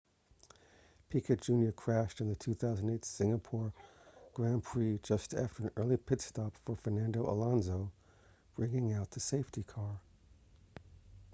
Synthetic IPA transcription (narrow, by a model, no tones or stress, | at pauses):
pʰikʰɨd̥ʒ̥ʉ̃njə˞kʰɹ̥æʃtɨ̃nðɨtʰʉθaʊzn̩deɪtsɪ̃ŋɨpʰɔɹɡ̥ɹæ̃npʰɹ̥id͡ʒʌstʰæ̰ftə˞ɨ̃nɜ˞lˠipʰɪtstʰɑpfə˞fə˞næ̃ndoʊʔə̰lɑ̃nzoʊ | b̥ɹɪ̃ŋɪ̃ŋaʊt̪̚ðɨseɪftikʰɑɹ